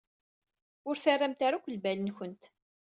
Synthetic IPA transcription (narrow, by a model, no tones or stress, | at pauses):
ʊɾθarːamt̪aɾakʷːəlbælənçənt̪